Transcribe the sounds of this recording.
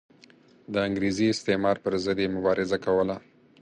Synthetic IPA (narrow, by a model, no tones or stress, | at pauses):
d̪əaŋɡɾeziɪst̪emɑɾpəɾzəd̪jemʊbɑɾʔɪzakawəla